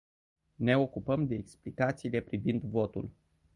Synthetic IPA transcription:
ne̞o̞kupəmd̪e̞ːksplikat̪siːle̞pɾivind̪vo̞t̪ṵl

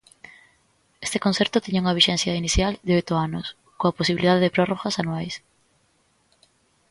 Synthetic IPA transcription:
e̥st̪ekõn̟θɛɾt̪ʊt̪iɲuŋɐβiʃɛn̟θjainiθjald̪eojt̪ʊanʊs | koɐposiβiliðaðeðepɾɔroɣasanuajs

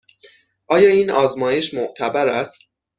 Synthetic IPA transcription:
ʔɒːjɒːiːnɒːzmɒːje̞ʃmoʔt̪ʰæbæɾæst̪̚

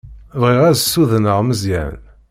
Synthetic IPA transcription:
vʁiʁæzsuðənəʁməzjæ̰n

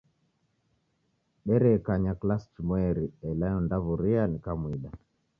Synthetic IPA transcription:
ɗɛɾɛkaɲaklast͡ʃumɔɛɾiɛlajɔndaβuɾianikamwiɗa

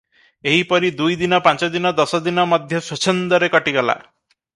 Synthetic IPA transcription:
eɦipɔɾid̪ujd̪inɔpãnt͡ʃɔd̪inɔd̪ɔsɔd̪inɔmɔd̪ʱjɔsɔt͡ʃʰɔnd̪ɔɾekɔʈiɡɔla̰

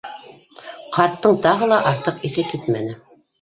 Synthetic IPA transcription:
qɑɾt̪ːɤɴt̪ɑʁɤlˠɑʔɑɾt̪ɤqiθɘkit̪mænɘ

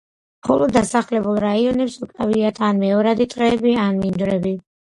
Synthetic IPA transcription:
χɔlˠɔd̪ːasaχlɛbulˠɾaiɔnɛpsukʼaviat̪ʰanmɛɔɾad̪it̪ʼɾɛːbianmind̪ɾɛbi

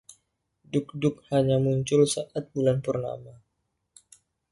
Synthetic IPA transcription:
duk̚dʊk̚haɲamuɲt͡ʃʊlsaʔat̪̚bulanpərna̰ma

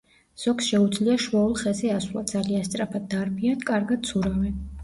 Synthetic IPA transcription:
z̥ɔkʰsʃɛud̪zliaʃuɔulˠχɛzɛaswlˠa̰d̪zalianst̪ʼɾapʰad̪̚ːaɾbiankʼaɾɡad̪̚t̪sʰuɾavɛ

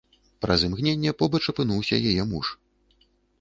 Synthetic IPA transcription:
pɾɐzɨmɣnʲenʲːɛpɔbɐt͡ʂɐpɨnuwsʲɐ̰jajɛmuʂ

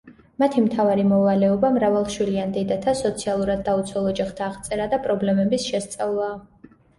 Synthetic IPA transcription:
mat̪ʰimt̪ʰavaɾimɔvalɛɔbamɾavalˠʃwiliand̪ɛd̪at̪ʰasɔt̪sʰialˠuɾad̪ːaut̪sʰwɛlˠɔd͡ʒaχt̪ʰaːʁt̪sʼɛɾad̪apʼɾɔblɛmɛbisʃɛst̪sʼavlˠaː

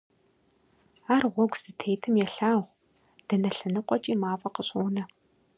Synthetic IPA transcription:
aːrʁʷɔɡʷz̥ɨtʰeːjtʰɨmjɛɬaːʁʷ | d̥ɐnɐɬɐnɨqʷʼɔt͡ʃʼiːmaːfʼɐqəɕʼuːnɐ

